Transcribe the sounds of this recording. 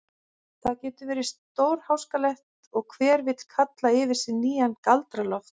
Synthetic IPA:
θaðcɛːt̪ʏvɛːɾɪ̥st̪oːwɾ̥hawskalɛht̪ | ɔɣkʰvɛːɾvɪt̪l̥kʰat̪laɪvɪɾ̥sɪnːiːjankalt̪ɾalɔft̪

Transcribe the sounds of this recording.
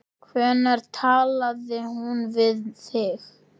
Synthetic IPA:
kʰvɛːnaɾ̥t̪ʰaːlaðɪhunvɪðθɪɣ

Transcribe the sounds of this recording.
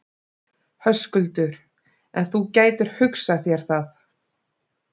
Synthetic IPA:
hœskʏlt̪ʏɾ̥ | ɛ̰nθucaːjt̪ʏɾ̥hʏksaθjɛɾ̥θaθ

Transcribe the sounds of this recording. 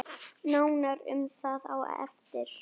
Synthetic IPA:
naːwnaɾʏ̰mθaða̰w̰ɛ̰ft̪ɪɾ̥

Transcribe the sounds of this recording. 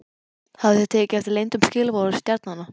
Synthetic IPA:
havðɪθɛ̥t̪ʰɛːcɪɛft̪ɪlejnt̪ʏmscɪːlvɔɾʏst̪jɛɾt̪̚nanːa

